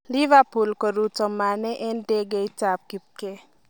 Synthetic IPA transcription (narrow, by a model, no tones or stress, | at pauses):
liʋapulkɔɾut͡ʃɔmːaneʔenɖeɡejt͡ʃap̚kip̚ke